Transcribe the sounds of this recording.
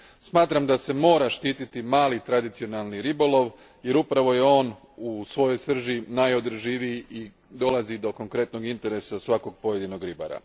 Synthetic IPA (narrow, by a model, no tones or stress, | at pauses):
smaːt̪ɾamd̪ase̞mo̞ːɾaʃt̪iːt̪it̪imaːlit̪ɾad̪it̪sio̞nalˠniɾibo̞lo̞ʋ | je̞ɾupɾaʋo̞je̞o̞ːn | usʋo̞jo̞jsr̩ʒinajo̞d̪r̩ʒiʋijiʔi | d̪o̞lazid̪o̞ko̞ŋkɾe̞t̪no̞ɡint̪e̞ɾe̞sasʋako̞ɡ̚po̞je̞d̪ino̞ɡɾiba̰ɾa̰